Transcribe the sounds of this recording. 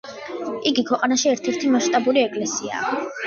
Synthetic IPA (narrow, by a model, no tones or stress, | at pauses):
iɡikʰwɛqʼanaʃiɛɾt̪ʰɛɾt̪ʰimaʃt̪ʼabuɾiɛkʼlɛsia̰ː